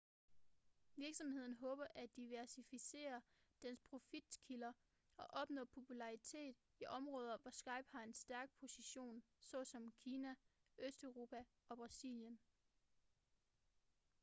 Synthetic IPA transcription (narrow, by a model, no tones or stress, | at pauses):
ʋiɐɡ̥sɒ̽mhe̝ð̞̰ˠn̩ɦɔ̽ːb̥ɐʔæd̥iʋæɐsifise̝̰ːɐd̥enspʰʁo̝fid̥kʰilɐ | ɒ̽ʔɒ̽b̥nɔ̰̽ːpʰo̝pʰulɑ̈ʁit͡sʰe̝̰ːd̥ | iʔɒ̽mʁɔ̽ːð̞ˠɐʋɒsɡ̥ɑ̈ɪb̥hɑ̈e̝nsd̥æɐɡ̥̚pʰo̝siɕo̝̰ːn | sɒ̽sɒ̽mkʰiːnæ | ʔøsd̥øʊʁo̝ːpʰæ | ɒ̽b̥ʁɑ̈sḭljən